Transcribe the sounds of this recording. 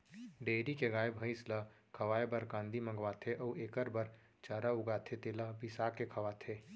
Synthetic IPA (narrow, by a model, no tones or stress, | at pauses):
ɖeːɾikeɡaːebʱəɪslə | kʰɐʋaːebəɾkãːnd̪ʱimə̃ŋɡʋaːt̪ʰeʔɔːeːkəɾbəɾ | t͡ʃaːɾaʊɡaːt̪ʰet̪eːlabɪsaːkːekʰɐʋaːt̪ʰeː